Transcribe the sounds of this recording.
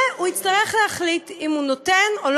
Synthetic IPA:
uitt͡st̪aʁeχlehaχlitimunotenol

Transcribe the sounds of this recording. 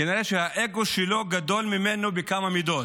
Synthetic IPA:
eniʁeʃehaʔeɡo̞ʃelo̞ɡad̪o̞lmimenobekamamid̪o̞

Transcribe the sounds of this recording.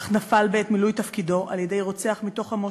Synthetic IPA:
χnafalbeet̪milujt̪ɐfkido̞ʔaljede̞jʁo̞t͡se̞aχmit̪o̞χhamo

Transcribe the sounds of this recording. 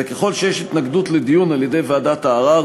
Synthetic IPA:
ekeχo̞lʃejeʃit̪naɡdutledijunaljede̞jveadataːʁa

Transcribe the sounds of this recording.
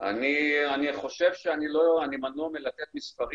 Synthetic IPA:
a̰nianiχo̞ʃe̞vʃeaniloanimanuamelat̪et̪misfaʁi

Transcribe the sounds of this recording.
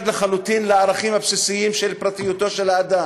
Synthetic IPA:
d̪leχalut̪inleaʁaχimhapsisiimʃelpʁat̪ijut̪o̞ʃelaːd̪a

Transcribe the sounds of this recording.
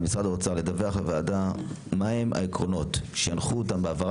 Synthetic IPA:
misʁad̪aʁot͡saʁled̪aveaχbevaːda | maemʔa̰ekʁo̞no̞t̪ʃeanχuot̪ambeavaʁ

